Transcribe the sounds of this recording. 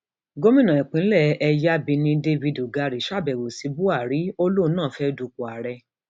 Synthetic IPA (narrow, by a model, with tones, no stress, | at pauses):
ɡo˦mĩ˦nã˨ɛ˨k͡pĩ˨˦lɛ˦˨ɛ˧ja˦bi˧nĩ˧de˦vi˧du˨ɡa˧ɾi˨ʃa˦˨bɛ˨wo˨si˧˦bu˦a˦˨ɾi˨˦o˦lo˦˨˧nãː˦˨˦fɛ˦du˧˦ku˨a˨ɾɛ˧